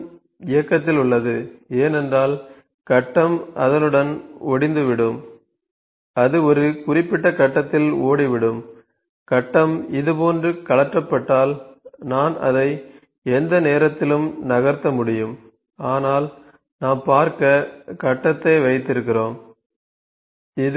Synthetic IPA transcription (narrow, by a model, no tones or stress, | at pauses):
ɪjɐkːɐt̪̬ːɪlʊɭːɐðɯeːnɛndraːl | kɐʈːɐmɐ̰ðɐnɯɽɐnɔɽɪnd̪ɯʋɪɽɯm | ɐðɯɔɾɯkʊrɪpːɪʈːɐkɐʈːɐt̪ːɪloːɽiʋɪɽɯm | kɐʈːɐmɪðɯpoːndrɯkɐɭɐʈrɐpːɐʈːaːlnaːnɐ̰ðɐɪ | ɛnd̪ɐneːɾɐt̪ːɪlɯmnɐɣɐɾt̪ːɐmʊɽɪjɯm | aːnaːl | naːmpaːɾkɐkɐʈːɐt̪ːɐɪʋɐɪt̪ːɪɾɯkːɪroːm | ɪ